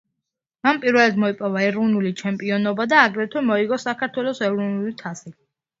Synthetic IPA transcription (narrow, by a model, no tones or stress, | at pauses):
manpʼiɾvɛlɛd̪mɔipʼɔvaɛɾunulit͡ʃʰɛmpʼiɔnɔbad̪aːɡɾɛt̪ʰwɛmɔiɡɔsakʰaɾt̪ʰwɛlˠɔsɛvɾunulit̪ʰasi